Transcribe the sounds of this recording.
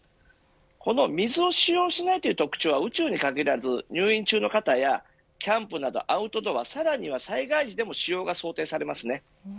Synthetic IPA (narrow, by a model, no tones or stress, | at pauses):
ko̞no̞mʲizɨo̞ɕijo̞ːɕinait̪ojiɯːt̪okɯ̟̥t͡ɕoːβaɯ̟t͡ɕɨːɲ̟ikaɡʲiɾazɨɲ̟ʲɨːĩɲ̟t͡ɕɨːno̞kat̪aja | kʲãmpɯ̟nad̪o̞̰ʔaɯ̟t̪o̞t̪o̞βasaɾaɲ̟iβ̞asaiɡaiʑid̪e̞mo̞ɕijo̞ːɡaso̞ːt̪e̞ːsaɾe̞masɨne